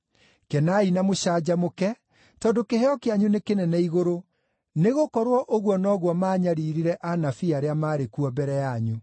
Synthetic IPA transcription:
kɛnainamoɕad͡ʑamokɛ | tɔndokehɛɔkeaɲunekenɛnɛiɣoɾo | neɣokɔɾwɔʔoɣwɔnɔɣwɔmaːɲaɾiːɾiɾɛʔanafiaɾeamaːɾekuɔbɛɾɛjaɲu

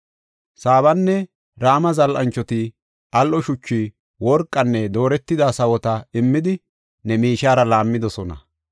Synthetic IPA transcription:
saːβɐnːɛ | ɾaːmɐzɐlʔɐ̰nt͡ʃːɔt̪ɪ | ʔɐlʔɔʃʊt͡ʃːi | wɔɾkʼːɐnːɛd̪o̞ːɾɛt̪ːɪd̪asɐwɔt̪ɐɪmːɪd̪ɪ | nɛmiːʃaːɾɐlaːmːɪd̪ɔsɔnɐ̰

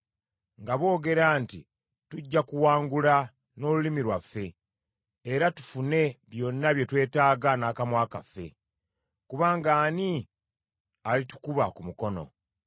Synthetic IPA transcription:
ŋɡaβo̞ːɡe̞ɾaːnti | tuɟːakuwaːŋɡula | no̞ːlulimiɾwafːe̞ː | ɾatu̥fune̞βjo̞nːaβje̞twe̞ːtaːɡanaːkamwaːka̰fːe̞̰ | kuβaːŋɡaːni | alitu̥kuβakumuko̞no̞̰

